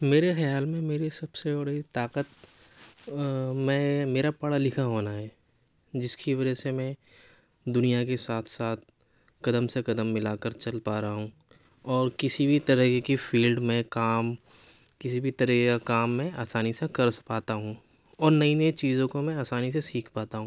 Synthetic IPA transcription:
meːɾexɐjaːlmẽmeːɾisɐbsebɐɽit̪aːqət̪̚ | mɛ̃ːmeːɾapɐɽalɪkʰaɦoːnaɦɛː | d͡ʒɪskiʋɐd͡ʒəsemɛ̃ | d̪ʊnijakesaːt̪ʰsaːt̪̚ʰ | kɐd̪əmsekɐd̪əmːɪlaːkəɾt͡ʃɐlpaːɾaɦũ | ɔːɾkɪsibʱit̪ɐɾɛkekifiːlɖmẽkaːm | kɪsibʱit̪ɐɾɛkekakaːmːẽaːsaːnisekɐɾspaːt̪aɦũ | ɔːɾnɐinəit͡ʃiːzõkomɛ̃aːsaːnis̬esiːkʰpaːt̪aɦũː

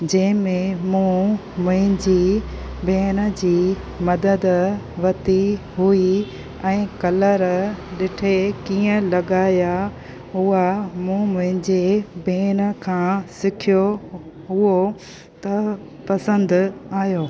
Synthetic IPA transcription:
d͡ʑɐ̃ɦɪ̃mẽmũː | mʊ̃ɦɪ̃ɲd͡ʑiː | bʱɛːnə̆d͡ʑiː | mɐd̪əd̪ | ʋɐt̪i | ɦui | ɛ̃ːkɐləɾɗɪʈʰekiːə̃lɐɠaːja | ɦʊamũːmʊ̃ɦɪ̃ɲd͡ʑebʱeːnə̆kʰãːsɪkʰijo | ɦʊɦo | t̪ɐ | pɐsə̃nd̪aːjoː

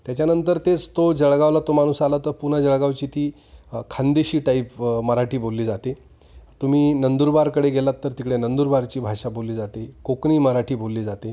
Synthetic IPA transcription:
t̪jat͡ɕjanənt̪əɾt̪et͡st̪od͡ʑəɭɡaʋlat̪omañusalat̪əɾpun̤ad͡zəɭɡaʋt͡ɕiːt̪iː | kʰand̪eɕiːʈaipməɾaʈʰiːbolːiːd͡zat̪e | t̪um̤iːnənd̪uɾbaɾkəɽeɡʱelat̪ːəɾt̪ikɽenənd̪uɾbaɾt͡ɕiːbʱaʂabolːiːd͡zat̪ekokniːməɾaʈiːbolːiːd͡zat̪e

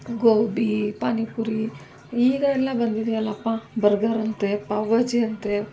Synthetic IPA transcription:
ɡobipaːnipuɾi | iːɡɐɛlːɐbɐnd̪id̪eɐlːɐpːãbɐɾɡɐɾɐnt̪epɐʋɐd͡ʒiɐnt̪e

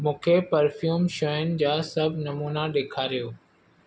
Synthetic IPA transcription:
mũːkʰepəɾfʰjuːmʃoːjənɪd͡ʑaːsɐbʱnɐmuːnaɗeːkʰaːɾijoː

